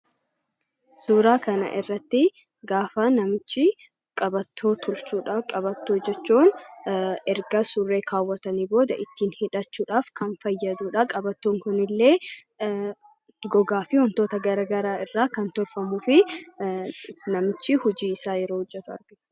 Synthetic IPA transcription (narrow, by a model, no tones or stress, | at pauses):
suːɾaːkɐnɐ̰ʔɪrːɐt̪ːɪ | ɡaːfɐnɐmɪt͡ʃːɪ | kʼɐbɐt̪ʰːoːt̪ʰʊlsuːᶑakʼɐbɐt̪ːoːd͡ʒɛt͡ʃːuːn | ɛɾɡɐsʊrːeːkʰaːwːɐt̪ɐniːbo̞ːd̪ɐʔɪt̪ːiːnhɪᶑɐt͡ʃːuːᶑaːfkɐnfɐjːɐd̪uːᶑɐkʼɐbɐt̪ːoːŋkʊnɪlːe̞ː | ɡɔɡaːfɪhɔnt̪o̞ːt̪ɐɡɐɾɐɡɐɾaːɪrːaːkɐnt̪ɔɾfɐmuːfɪ | nɐmɪt͡ʃːɪhʊd͡ʒiːɪsaːjɛɾoːhʊd͡ʒːɛt̪ʊɐ̰ɾɡɪ